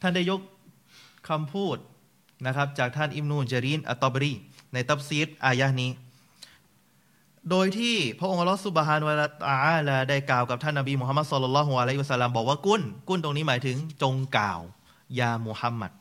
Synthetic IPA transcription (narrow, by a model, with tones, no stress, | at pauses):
t̪ʰa˥˩nda˥˩jo˦˥k̚ʰ | a˧mpʰuː˥˩t̪̚ | na˦˥kʰɾa˦˥p̚t͡ɕaː˨˩k̚t̪ʰa˥˩nʔi˦˥b̚nuː˧t͡ɕa˧ɾiː˦˥˩nʔa̰˧t̪ːɔ˦˩bɾiː˥˩na˧jt̪ʰa˦˥p̚si˦˥t̪̚ʔaː˧ja˦˥niː˦˥ | doː˧jt̪ʰiː˥˩pʰɾa˦˥ʔo˧ŋʔa˧lːɔ˦˥su˧˩bɦaː˧nwa˧la˦˧t̪a˧ʔaː˦˥˩laː˧da˥˩jklaː˨˩wka˨˩p̚t̪ʰa˥˩nːa˧biː˧mu˨ɦa˦mːa˦˥t̪sɔ˧lːɔ˧lːɔː˦˥ɦu˧ʔa˧la˥jhi˧a˧sa˧˥lːa˧mbɔː˨˩k̚waː˥˩ku˥˩nku˥˩nt̪o˧ŋniː˦˥maː˩˦jt̪ʰɯ˩˦ŋt͡ɕo˧ŋka̰ː˨˩w | jaː˧mu˨˧˩ha˧˥mːa̰˧˩t̪̚